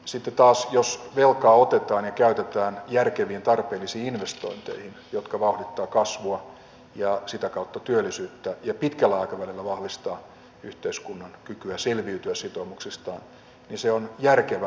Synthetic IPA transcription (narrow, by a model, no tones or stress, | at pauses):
sit̪ːet̪ɑːsjosʋelkɑːot̪et̪ɑːnjɑkæyt̪et̪æːnjærkeʋiːnt̪ɑrpeːlːisiːinʋest̪o̰int̪ḛihinjot̪kɑʋɑuhdit̪ːɑːkɑsʋuɑ | jɑsit̪ækɑut̪ːɑt̪yølːˑisyːt̪ːæjɑpit̪kælːæɑikɑʋælilːæʋɑhʋist̪ɑː | yht̪eiskunːɑnkykyæselʋiyt̪yæsit̪oːmuksist̪ɑ̰ːn | niseonjærkeʋæ